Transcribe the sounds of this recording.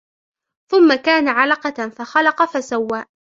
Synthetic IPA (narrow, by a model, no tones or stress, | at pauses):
θʊmːakaːnaʕalɑqɑfaxɑlɑqɑfasawːaːʔ